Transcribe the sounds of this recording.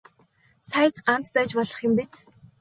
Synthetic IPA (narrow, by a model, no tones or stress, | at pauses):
sajə̆t̪ɢan̥t͡spæːt͡ɕpɔɮɞ̆χjʊ̆mpet͡s